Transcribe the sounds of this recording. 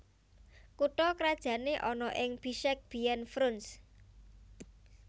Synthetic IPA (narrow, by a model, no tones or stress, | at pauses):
kuʈɔkɾad̥ʒ̥ä̤neʔɔnɔʔɪŋb̥iʃɛk̚b̥i̤ɛnfɾʊns